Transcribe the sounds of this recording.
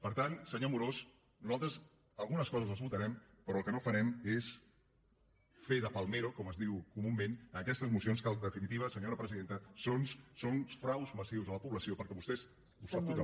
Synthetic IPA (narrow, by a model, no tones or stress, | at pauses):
pəɾt̪ansəɲomuɾos | nuzalˠt̪ɾəz | əlˠɣunəskɔzəzəzβut̪əɾɛmpəɾɔːlˠkənofəɾɛmes | feðəpəlˠmeɾokɔməzðiwkumumːẽnəəkɛst̪əzmusionskalˠd̪əfinit̪iβəsəɲoɾəpɾəziðent̪əsonsonfɾawzməsiwzələpuβləsiopəɾkɛβust̪ɛz | bust̪at̪uɣ